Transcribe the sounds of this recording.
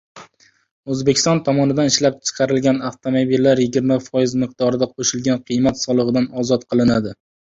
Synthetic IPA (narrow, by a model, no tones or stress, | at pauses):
ɵzbekʲɪ̥st̪ɒnt̪ʰɒmɒnɪd̪anɪʃlap̚t͡ʃʰɨ̥qʰɑɾɪlɡʲanaft̪ʰomobilːaɾjɪɡʲɪɾmafɒjɪzmɨqd̪ɒɾɪd̪aqʰoʃɪlɡʲanqʰɨjmat̪sɒlˠɨʁɨd̪anɒzɒt̪qʰɨlˠɪnad̪ɪ